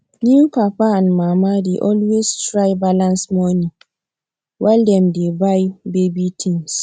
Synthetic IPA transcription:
njupʰapaãnmamadeʔɔlwestɹajbalãnsmɔnĩ | waldɛmdebajbebitʰĩŋs

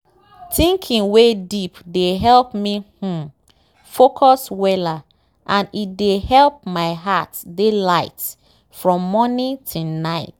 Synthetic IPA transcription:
tĩŋkʰĩŋwedipdeɦɛlpmihũ | fokʰɔswɛla | ʔãnitdehɛlp̚maɪɦatdelaɪt | fɹɔ̃mːɔnĩtʰunaɪt

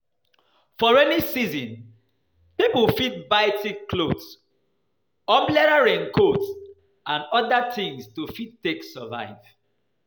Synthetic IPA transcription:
fɔɹɛnisizĩn | pipulfit̚baɪtikkːlods | ɔ̃mblɛɾaɹɛ̃nkʰots | ãnɔdatĩŋstufittːeksəva̰ɪv̥

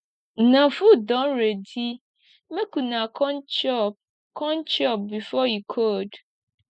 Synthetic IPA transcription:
nãfudɔ̃nɾedi | mẽkunãkʰɔ̃nt͡ʃɔp̚ | kʰɔ̃nt͡ʃɔp̚bifɔikʰod

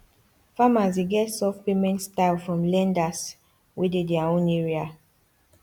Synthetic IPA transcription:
famaseɡɛtsɔfpemɛ̃ntstaɪlˠfɹɔ̃mlɛ̃ndas | widedɛaõnɛɹia

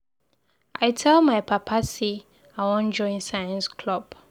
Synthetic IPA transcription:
ʔaɪtʰɛlmajpʰapʰasi | awɔ̃nd͡ʒɔ̃ɪ̃nsajə̃nskʰlɔb

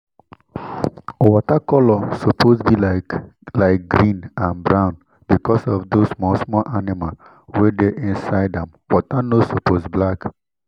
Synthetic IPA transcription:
wɔtakɔlɔsɔpʰosbilalaɪk̚ɡɾĩnãnbɹãʊ̃n | bikɔsɔvdosmɔsmɔlʔanimal | wɛdeʔĩnsaɪdɛ̃mwɔtanosopʰozblak

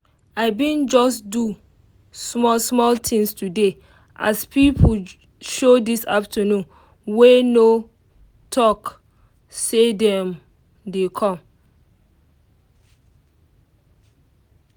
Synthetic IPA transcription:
aɪbĩnd͡ʒɔsdu | smɔsmɔltʰĩŋstʰude | ʔa̰spipʰu | ʃodisaptʰənũn | weno | tʰɔk | sedɛ̃m | dekʰɔ̃m

